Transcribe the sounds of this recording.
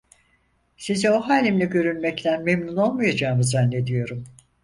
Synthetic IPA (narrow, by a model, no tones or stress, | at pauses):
sizɛo̞ɦaːlʲimlʲiɟø̞ɾynmɛct̪ʰænmemnuno̞lˠmajad͡ʒaːmɯzanːe̞d̪ijo̞ɾum